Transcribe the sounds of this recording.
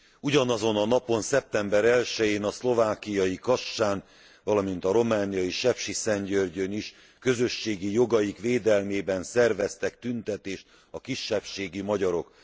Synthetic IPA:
uɟɒnɒzo̞nɒnɒpo̞nsɛp̚t̪ɛmbɛɾɛlʃɛjeːnɒslo̞vaːkijɒjikɒʃːaːn | vɒlɒmint̪ɒɾo̞maːnijɒjiʃɛpʃisɛɲɟørɟøniʃ | kø̞zø̞ʃːeːɡijo̞ɡɒjikʋeːd̪ɛlmeːbɛnsɛrvɛst̪ɛkt̪ynt̪ɛt̪eːʃt̪ | ɒkiʃːɛpʃeːɡimɒɟɒɾo̞k

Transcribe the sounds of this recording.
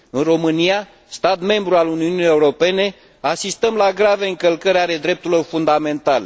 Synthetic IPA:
ɨnro̞mɨnia | st̪at̪me̞mbɾualuniunijeuɾo̞pe̞ne̞ | asist̪əmlaɡɾave̞ɨŋkəlkəɾeaɾe̞d̪ɾe̞p̚t̪uɾilo̞rfund̪ame̞nt̪ale

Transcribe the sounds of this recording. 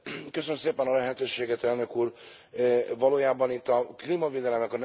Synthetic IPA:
køsønømseːpɛnɒlɛɦɛt̪øːʃeːɡɛt̪ɛlnø̞kuːr | vɒloːjaːbɒnit̪ːɒklimɒveːd̪ɛlɛmɛkɒn

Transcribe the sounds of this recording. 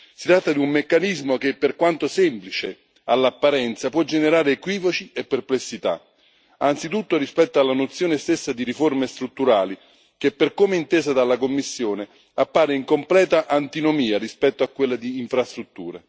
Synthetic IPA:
si̥t̪ɾat̪ːad̪iumːekːanizmokepːerkwant̪osɛmplit͡ʃe | alːapːaɾɛnt̪sapwɔd͡ʒeneɾaːɾeːkwiːvot͡ʃiepːerplesːit̪a̰ | ant̪sit̪ut̪ːorispɛt̪ːoalːanot̪sjoːnest̪esːad̪iɾiformest̪ɾut̪ːuɾaːli | k̟epːerkomeint̪eːzad̪alːakomːisːjoːne | apːaːɾeiŋkomplɛːt̪aʔant̪inomiːaɾispɛt̪ːoakːwelːad̪iːɱfɾast̪ɾut̪ːuːɾe

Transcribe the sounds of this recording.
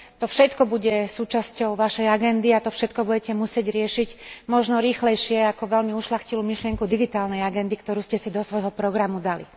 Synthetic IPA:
t̪ɔfʃɛt̪kɔbuɟɛsuːt͡ʃascɔʊʋaʃɛjaɡɛnd̪iat̪ɔfʃɛt̪kɔbuɟɛcɛmusɪɛɟɾɪɛʃiɟmɔʒnɔɾiːxlɛjʃɪɛakɔʋɛlmiuʃlaxciluːmiʃlɪɛŋkud̪iɡit̪aːlnɛjaɡɛnd̪ikt̪ɔɾuːscɛsid̪ɔsʋɔjɦɔpɾɔɡɾamud̪alḭ

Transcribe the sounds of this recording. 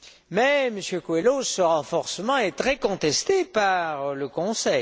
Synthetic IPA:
mɛməsjøkwelosəʁɑ̃fɔʁsəmɑ̃ɛt̪χɛkɔ̃t̪ɛst̪epaʁləkɔ̃sɛj

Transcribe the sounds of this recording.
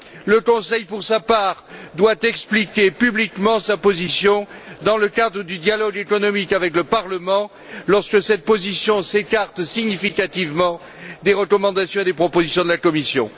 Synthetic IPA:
ləkɔ̃sɛjpuʁsapaʁd̪wat̪ɛksplikʲepyblikmɑ̃sapozisjɔ̃d̪ɑ̃ləkad̪ʁəd̪yd̪jalɔɡekɔnɔmikavɛkləpaʁləmɑ̃ | lɔʁskəsɛt̪̚pozisjɔ̃sekaʁt̪siɲifikat̪ivmɑ̃ | d̪eʁəkɔmɑ̃d̪asjɔ̃ed̪epχɔpozisjɔ̃d̪əlakɔmisjɔ̰̃

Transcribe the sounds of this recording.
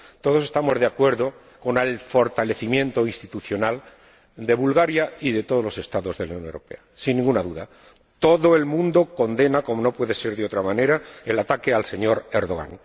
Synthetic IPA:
t̪o̞ð̞o̞se̞st̪amo̞zðeakwe̞ɾðo̞ | ko̞nelfo̞ɾt̪ale̞θimjẽ̞nt̪oinst̪it̪uθjo̞nal | d̪e̞βulɣaɾjaiðe̞t̪o̞ðlo̞se̞st̪aðo̞zðe̞lanjõnewɾo̞pe̞̰asinːĩŋɡunaðuða | t̪o̞ðo̞e̞lmũnd̪o̞ko̞nd̪e̞nako̞mo̞no̞pwe̞ðe̞se̞ɾðo̞t̪ɾamãne̞ɾaelat̪ake̞alse̞ɲo̞ɾe̞ɾðo̞ɣ̞a̰n

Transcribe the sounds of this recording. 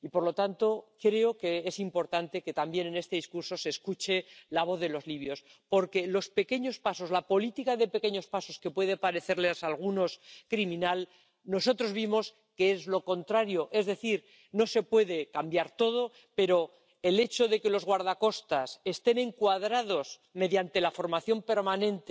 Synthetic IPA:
ipo̞ɾlo̞t̪ant̪o̞kɾe̞oke̞esimpo̞ɾt̪ant̪e̞ke̞t̪ambje̞ne̞ne̞st̪e̞ðiskuɾso̞se̞ːskut͡ʃe̞laβ̞o̞θðe̞lo̞zliβ̞jo̞s | po̞ɾke̞lo̞spe̞ke̞ɲo̞spaso̞zlapo̞lit̪ikaðe̞pe̞ke̞ɲo̞spaso̞ske̞pwe̞ð̞epaɾe̞θe̞ɾlesalɣ̞uno̞skɾimĩnal | no̞so̞t̪ɾo̞zβimo̞s | keezlo̞ko̞nt̪ɾaɾjo̞ʔe̞zðe̞θiɾ | no̞se̞pwe̞ðe̞kambjaɾt̪o̞ð̞o̞ | pe̞ɾo̞ | e̞le̞t͡ʃo̞ðe̞ke̞lo̞zɣwaɾð̞ako̞st̪ase̞st̪e̞ne̞ŋkwaðɾaðo̞s | me̞ðjant̪e̞lafo̞ɾmaθjo̞mpe̞ɾmanẽ̞nt̪e

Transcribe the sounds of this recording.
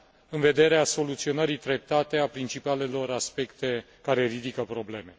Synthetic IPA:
ɨnve̞d̪e̞ɾeaso̞lut̪sio̞nəɾit̪ɾe̞p̚t̪at̪e̞apɾint͡ʃipale̞lo̞ɾaspe̞kt̪e̞ | kaɾe̞ɾid̪ikəpɾo̞ble̞me̞

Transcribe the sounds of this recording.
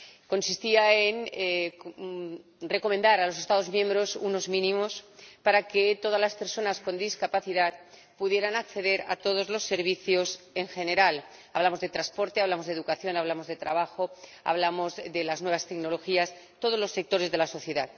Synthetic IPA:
ko̞nsist̪iaen | re̞ko̞mẽnd̪aɾalo̞se̞st̪að̞o̞zmjẽmbɾo̞suno̞zmĩnĩmo̞spaɾake̞t̪o̞ð̞azlaspe̞ɾso̞nasko̞nd̪iskapaθiðað | puðje̞ɾanakθe̞ðe̞ɾa̰t̪o̞ð̞o̞zlo̞sːe̞ɾβiθjo̞s | e̞ŋxe̞ne̞ɾal | aβlamo̞zðe̞t̪ɾaspo̞ɾt̪e̞aβlamo̞zðeðukaθjo̞naβ̞lamo̞zð̞e̞t̪ɾaβaxo̞a̰βlamo̞zðe̞laznwe̞β̞ast̪ekno̞lo̞xias | t̪o̞ð̞olo̞sːe̞k̚t̪o̞ɾe̞zðe̞laso̞θje̞ðað

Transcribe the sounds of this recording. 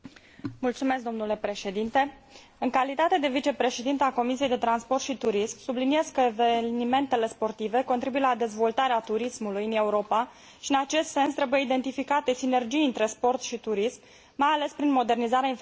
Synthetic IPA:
mult̪sume̞sk̚d̪o̞mnule̞pɾe̞ʃe̞d̪int̪e̞ | ɨŋkalit̪at̪e̞d̪e̞vit͡ʃe̞pɾe̞ʃe̞d̪int̪eako̞misijejd̪e̞t̪ɾanspo̞rt̪ʃit̪uɾismsublinie̞skːəevenime̞nt̪e̞le̞spo̞rt̪ive̞ko̞nt̪ɾibujelad̪e̞zvo̞lt̪aɾeat̪uɾismulujɨne̞uɾo̞pa | ʃiɨnat͡ʃe̞st̪se̞nst̪ɾe̞buje̞id̪e̞nt̪ifikat̪e̞sine̞rd͡ʒijɨnt̪ɾe̞spo̞rt̪ʃit̪uɾismː | ajale̞spɾinmo̞d̪e̞rnizaɾeainf

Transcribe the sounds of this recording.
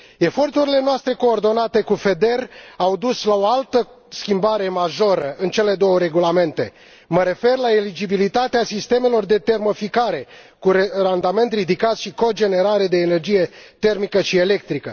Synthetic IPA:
e̞fo̞rt̪uɾile̞noast̪ɾe̞ko̞ːrd̪o̞nat̪e̞kufe̞d̪e̞rawd̪uslao̞alt̪ə | skʲimbaɾe̞maʒo̞ɾəʔɨnt͡ʃe̞le̞d̪o̞wəɾe̞ɡulame̞nt̪e̞ | məɾe̞fe̞rlaelid͡ʒibilit̪at̪easist̪e̞me̞lo̞rd̪e̞t̪e̞rmofikaɾe̞ | kuɾerand̪ame̞nt̪rid̪ikat̪ʃiko̞d͡ʒe̞ne̞ɾaɾe̞d̪e̞ːne̞rd͡ʒije̞t̪e̞rmikəʃie̞le̞k̚t̪ɾikə

